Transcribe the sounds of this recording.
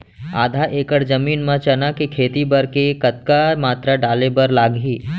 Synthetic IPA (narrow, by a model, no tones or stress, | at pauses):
a̰ːd̪ʱaʔeːkəɾd͡ʒɐmiːnmɐ̃t͡ʃɐnakekʰeːt̪ibɐɾkekɐt̪̚kamaːt̪ɾaɖaːlebɐɾlaːɡɦiː